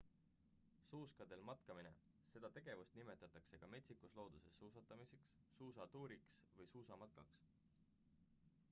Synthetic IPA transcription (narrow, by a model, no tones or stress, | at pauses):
suːskɑd̪̥e̞lmɑt̪kɑmine̞̰ | se̞d̪̥ɑt̪e̞ɡ̥e̞vust̪nime̞t̪ːˑɑt̪ːˑɑkse̞ɡ̥ɑme̞t̪ʲsikuslo̞ːd̪use̞sːuːsɑt̪ːˑɑmiseksːuːsɑt̪uːɾiksvɤjsuːsɑmɑt̪̚kɑks